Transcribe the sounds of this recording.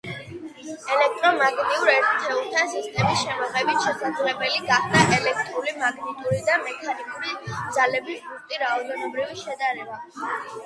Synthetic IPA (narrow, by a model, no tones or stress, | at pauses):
ɛlɛk̚ʰt̪ʼɾɔmaɡniuɾɛɾt̪ʰt̪ʰɛulˠt̪ʰansist̪ʼɛmisʃɛmɔʁɛbit̪ʃɛsad̪zlɛbɛliɡaχd̪aʔɛlɛk̚ʰt̪ʼɾulimaɡnit̪ʼuɾid̪amɛkʰanikʼuɾid̪zalɛbisbuɾt̪ʼiɾaɔd̪ɛnɔbɾiviʃɛd̪aɾɛba